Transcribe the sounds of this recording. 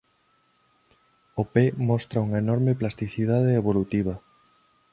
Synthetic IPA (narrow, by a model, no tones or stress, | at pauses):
opemɔst̪ɾɐuŋɐenɔɾmeplast̪iθiðaðeːβ̞olut̪iβ̞ɐ